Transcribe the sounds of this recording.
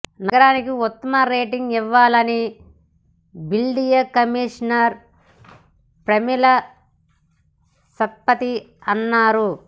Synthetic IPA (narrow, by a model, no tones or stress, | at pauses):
nɐɡɐɾaːnikiut̪ːɐmaːɾeːʈiŋɡiʋːaːlɐni | bilɖijɐkɐmiːʂɐnɐɾ | pɾɐmilɐ | sɐt̪̚pɐt̪i | ɐnːaːɾu